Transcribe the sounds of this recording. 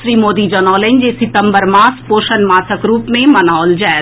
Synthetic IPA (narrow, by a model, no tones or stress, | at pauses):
ʃɾiːmoːd̪id͡ʒɔːnɔːlẽnd͡ʒesɪt̪əmbəɾmaːspoːʃənmaːsəkɾuːpmẽmɐnɔːld͡ʒɛː